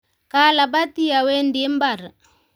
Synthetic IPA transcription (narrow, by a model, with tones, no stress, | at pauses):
ka˦la˨ba˦ti˦a˨we˦ndi˦m˦ba˨ɾ